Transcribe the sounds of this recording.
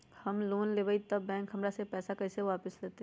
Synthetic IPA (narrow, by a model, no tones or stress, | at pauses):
hɐmloːnleːbəit̪ɐbːɛ̃ːŋkɦɐmɾasepɛːsakɛɪseʋaːpɪsleːt̪e